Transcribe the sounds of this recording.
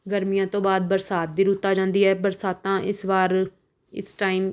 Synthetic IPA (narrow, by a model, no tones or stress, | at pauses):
ɡəɾmɪjãːt̪õːbaːd̪̚bəɾsaːt̪̚d̪iːɾuːt̪ːaːd͡ʒãːnd̪iːɛːbəɾsaːt̪ãːʔɪsʋaːɾ | ɪ̰sʈaːɪm